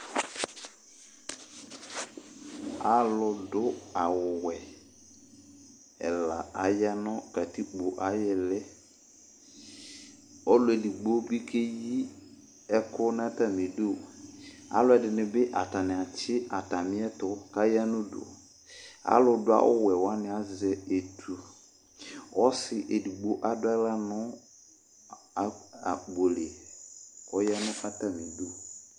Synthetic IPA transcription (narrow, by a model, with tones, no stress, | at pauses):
a˨˦lʊ˨dʊ˦a˨wʊ˨wɛ˨ | ɛ˨la̰˨a˨ja˦nʊ̃˦ka˨ti˦k͡po˨ʔa˦jɛ˨lɛ˦ | ɔ˦lʊ˨˦ɛ˨di˨ɡ͡bo˦bi˦kʰe˦ji˦ | ɛ˦kʰʊ˦nã˦ta˨mɪ̃˨do˦˨a̰˦lʊ˦ɛ˨dɪ˨nɪ̃˨bɪ˦ʔa˨ta˨nɪ̃˨a˨t͡ɕɪ˦a˨ta˨mɪ̃˦ɛ˦tʊ˨ka˦ja˦nʊ̃˦dʊ̰˨ | a̰˦lʊ˦dʊ˦a̰˦ʔʊ̰˦wɛ˨wa˦nɪ̃˨a˦zɛ˨e˨tʰu˨ | ɔ˦sɪ˨ʔe˨di˨ɡ͡bo˦ʔa˦dʊ˦a˦la˦nʊ̃˦˨ | a˨ɡ͡bo˨le˨ | kɔ˦ja˦nʊ̃˦fa˦ta˦mɪ̃˨do˦˨